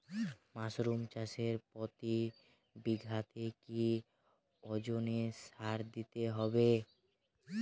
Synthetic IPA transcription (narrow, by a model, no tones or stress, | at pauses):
masɾumt͡ɕaʃeɾpɔt̪i | biɡʱat̪eki | ɔd͡ʑoneʃaɾd̪it̪eɦɔbe